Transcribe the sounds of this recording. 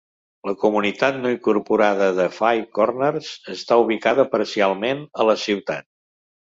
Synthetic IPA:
ləkumunit̪at̪noiŋkuɾpuɾaðəðəfajkɔrnərzəst̪auβ̞ikaðəpəɾsialˠmenələsiwt̪a̰t̪̚

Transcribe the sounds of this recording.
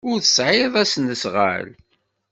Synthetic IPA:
ʊɾθə̥sʕɪðˤæsnəsʁə̰l

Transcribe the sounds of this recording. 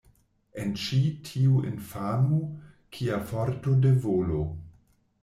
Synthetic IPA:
ent͡ʃitʰiuḭnfamo | kʰiafoɾtodevolo

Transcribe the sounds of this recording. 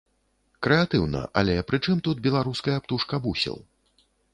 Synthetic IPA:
kɾɛat̪ɨwnɐ̰ʔa̰lʲɛpɾɨt͡ʂɨmt̪ud̪̚bʲɛlˠaɾuskɐjɐpt̪uʂkɐbusʲɛ̰lˠ

